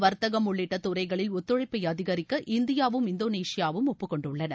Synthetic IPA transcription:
ʋɐɾt̪ɐɣɐmʊɭːɪʈːɐt̪ːʊɾɐɪɣɐɭɪlɔt̪ːɯɻɐɪpːɐɪjɐðɪɣɐɾɪkːɐʔɪnd̪ɪjaːʋɯmɪnd̪oːneːsɪjaːʋɯmɔpːɯkɔɳɖɯɭːɐnɐ

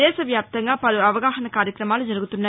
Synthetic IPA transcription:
eːsɐʋjaːp̚t̪ɐŋɡaːpɐlɯɐʋɐɣaːxɐnɐkaːɾjɐkːɪɾɐmaːlɐd͡ʒɐɾɯɣɯt̪ːɯnːɐ

